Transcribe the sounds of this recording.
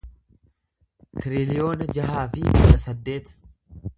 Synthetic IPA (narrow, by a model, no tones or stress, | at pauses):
t̪ɪɾɪlɪjo̞ːnɐd͡ʒɐɦaːfɪkʊᶑɐsɐd̪ːe̞ːt̪